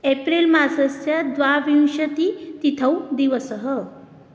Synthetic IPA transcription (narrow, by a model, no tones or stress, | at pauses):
epɾilmasəst͡ɕjad̪ʋaʋiw̃ɕət̪iːt̪it̪ʰəwd̪iʋəsəɦə